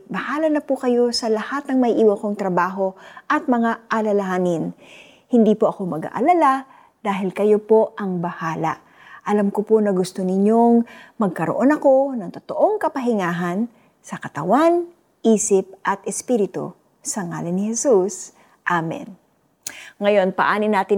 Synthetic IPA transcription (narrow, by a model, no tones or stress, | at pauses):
bɐhaːlɐnɐpukɐjo̞sɐlɐhat̪̚nɐŋmɐʔʔiːwɐkoŋt̪ɾɐbaːɦo̞ʔɐt̪̚mɐŋaʔɐlɐlɐhaːnɪn | hɪnd̪iːpoʔɐko̞mɐɡa̰ʔɐ̰lala | d̪̥aːɦɪlkɐjo̞po̞ʔɐŋbɐhaːlɐ̰ | ʔɐlamkoponɐɡʊst̪onɪɲoŋmɐɡ̚kɐɾoʔo̞nɐko̞nɐŋt̪ot̪oʔo̞ŋkɐpɐɦɪŋaːɦɐn | sɐkɐt̪ɐ̰wan | ʔiːsɪp̚ʔɐt̪ʔɛspiɾɪt̪o̰ | sɐŋa̰ːlɪnɪhɛsus | ʔamɛ̰n | ŋɐjo̞npɐ̰ʔaːnɪnaːt̪ɪ